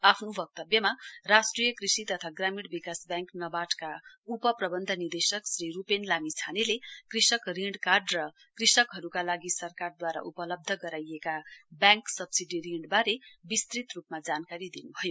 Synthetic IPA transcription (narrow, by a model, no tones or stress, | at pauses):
apʰnobʌk̚t̪ʌbjʌmarasʈrijʌkrisit̪ʌt̪ʰaɡramiɽbikasbjãŋknʌbaʈka | upʌprʌbʌnd̪ʱʌnird̪esʌksɾiɾupenlamit͡sʰanelekrisʌkriɳɖkarɖrʌ | krisʌkɦʌɾukalaɡisʌrkard̪waɾa̰ʔupʌlʌb̚d̪ʱʌɡʌɾajekabjãŋksʌbsiɖiɾiɳɖbaɾebist̪rit̪rupmad͡zankaɾid̪inubʱʌjo